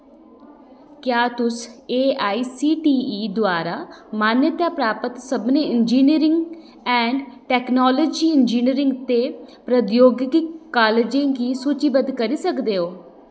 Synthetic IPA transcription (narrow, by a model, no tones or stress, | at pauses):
kjaːt̪ʊseːaːiːsiːʈiːiːd̪ʊaːɾaːmaːnjət̪aːpɾaːpət̪səbneːɪnd͡ʒiːniːɾɪ̃ŋɡ | ɛ̃ːɳɖʈɛːknɔːləd͡ʒiːɪnd͡ʒiːniɾɪ̃ŋɡt̪eːpɾəd̪joːɡɪkːaːled͡ʒẽːɡiːsuːt͡ʃiːbəd̪kəɾiːsəkd̪eːɦoː